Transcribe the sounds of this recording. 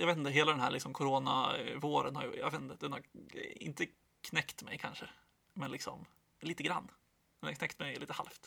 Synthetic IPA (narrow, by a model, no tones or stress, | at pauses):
jɑːveːt̪nt̪əɦeːlad̪ɛnɦæːɭɪksɔmkʰʊɾoːna̰voːɾə̰nha̰ɾj̰ja̰veːt̪nt̪əd̪ɛnhaɾɪ̰nt̪ə | kʰnɛkt̪mɛjkʰanʂə | mɛnlɪksɔm | liːt̪əɡɾanː | d̪ɛnhaɾknɛkt̪mɛjliːt̪əha̰lft̪